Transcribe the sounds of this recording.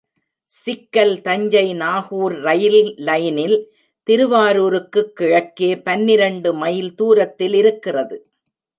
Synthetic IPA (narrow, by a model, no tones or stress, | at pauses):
sɪkːɐlt̪ɐɲd͡ʒɐɪnaːhuːɾːɐjɪllɐjnɪl | t̪ɪɾɯʋaːɾuːɾɯkːɯkːɪɻɐkːeːpɐnːɪɾɐɳɖɯmɐjɪlt̪uːɾɐt̪ːɪlɪɾɯkːɪrɐðɯ